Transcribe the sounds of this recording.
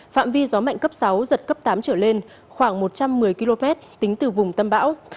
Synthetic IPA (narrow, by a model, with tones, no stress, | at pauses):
fa̰ː˧˨mvi˧zɔ˨˦ma̰˧˨ŋkə˦˥p̚sa˨˦wzə˨˩t̚kə˦˥p̚t̪aː˨˦mt͡ɕəː˧˩le˧n | xwaː˧˩ŋmo˨˩t̚t͡ɕa˧mːɨ˨˩əjki˧lo˧mɛ˦˥t̚t̪ï˨˦ŋ̟t̪ɨ˨˩vʊ˨˩ŋ͡mt̪ə˧mɓa̰ː˧˥w